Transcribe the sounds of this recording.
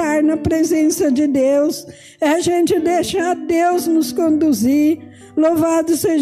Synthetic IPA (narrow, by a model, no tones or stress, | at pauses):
aɾnɐpɾezẽsɐd͡ʒɪd̪ews | ɛaʒẽnt͡ʃɪd̪eʃaɾd̪ewznʊskõnd̪uzi | lovad̪ʊse